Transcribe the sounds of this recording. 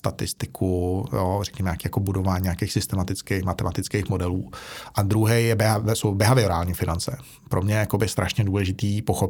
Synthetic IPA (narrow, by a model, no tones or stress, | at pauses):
st̪at̪ɪst̪ɪkʰujorɛkɲɛmɛjakiːjakobudo̞vaːɲiɲakejxsɪst̪ɛmat̪ɪt͡skejxmat̪ɛmat̪ɪt͡skejxmo̞dɛluːʔad̪ɾuɦɛjjɛbɛɦaɛsowbɛɦavɪoɾaːlɲiːfɪnant͡sɛ | pɾʔomɲɛjakobɪst̪ɾaʃɲɛduːlɛʒɪt̪iːpoxop